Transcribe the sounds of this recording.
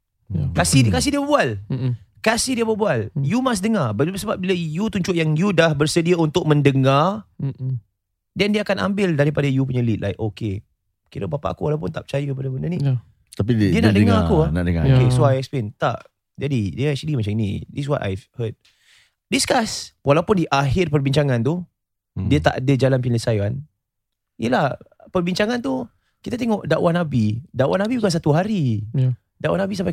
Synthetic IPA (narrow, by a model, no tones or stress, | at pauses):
kasikas̬ihdiəbəbualkasihdiəbəbualjumas̬dəŋabat̚bisəbap̚bilajut̪uɲt͡ʃʊʔjaŋjudahbərsədiaunt̪ʊk̚mə̃ndəŋar | dɛndiəakanã̰mbɪldaɾipadajup̬uɲəlit̪lajʔoke | kiɾə̰bapa̰ʔakualawpʊnt̪ap̚t͡ʃajəkəp̬adəbəndəni | t̪apidiəna̰ʔdəŋaakuanaʔdəŋa̰okesoajɛksplent̪a̰ʔ | d͡ʒadidiəasdimat͡ʃaminḭdis̬wɔ̰ta̰jvhəd̚ | diskaswalawpʊndiʔaɦɪrpərbiɲt͡ʃaŋãnt̪u | diət̪a̰ʔadəd͡ʒalanpilisajan | ijəlah | pərbiɲt͡ʃaŋãnt̪u | kit̪at̪eŋɔʔdaʔwanabidaʔwanabibukans̬at̪uɦaɾi | daʔwa̰nabisampa